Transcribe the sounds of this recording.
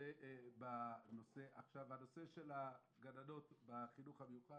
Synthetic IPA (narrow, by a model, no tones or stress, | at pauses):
eʔbano̞se̞ʔaχʃavhano̞se̞ʃela | ɡanano̞tbaχinuχhabejuχa